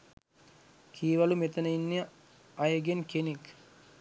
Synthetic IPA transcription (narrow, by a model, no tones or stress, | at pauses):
kʰiːʋalumet̪ɐnəinːiə | ajɐɡenkenek